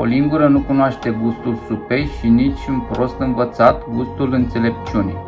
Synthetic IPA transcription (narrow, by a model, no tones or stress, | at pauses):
o̰liŋɡuɾənukunoaʃt̪e̞ɡust̪ulsupe̞jʃinit͡ʃʲunpɾo̞st̪ɨnvət̪sat̪ɡust̪ulɨnt̪se̞le̞p̚t͡ʃunḛj